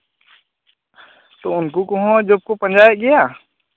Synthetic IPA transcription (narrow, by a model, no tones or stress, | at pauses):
t̪oʊnkukɔɦɔ̃d͡ʒob̚kopə̃nd͡ʒaːjeɡɪja